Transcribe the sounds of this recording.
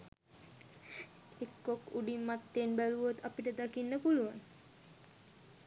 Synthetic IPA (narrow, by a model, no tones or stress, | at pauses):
ekːokuɖimːat̪ːenbæluʋot̪apiʈəd̪akinːəpuluʋaŋ